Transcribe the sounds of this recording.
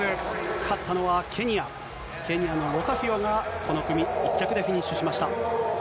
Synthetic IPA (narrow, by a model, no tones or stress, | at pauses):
kʰat̪ʰːano̞βakʰe̞ɲ̟ia | ke̞ɲ̟ijano̞ɾo̞saɸʲioɡako̞no̞kɯ̟mʲiit͡ɕːakɯ̟d̪eçʲiɲ̟ĩɕɨɕimaɕi̥t̪a